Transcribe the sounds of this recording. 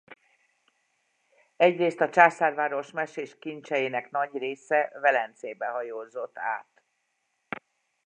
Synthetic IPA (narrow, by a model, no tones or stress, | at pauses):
ɛɟreːst̪ɒt͡ʃaːsaːrvaːɾo̞ʃmɛʃeːʃkint͡ʃɛjeːnɛknɒɟreːsɛvɛlɛnt̪seːbɛɦɒjoːzo̞t̪ːa̰ːt̪